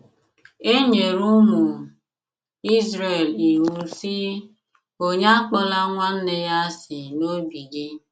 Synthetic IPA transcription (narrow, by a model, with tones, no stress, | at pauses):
e˦ɲe˨ɾu˦mu˨ | i˦zɾe˨li˨ɦu˨si˦ | o˦ɲa˦k͡pɔ˦la˦ŋʷa˦n̩˦ne˦ja˦sɪ˨no˦bi˨ɡi˦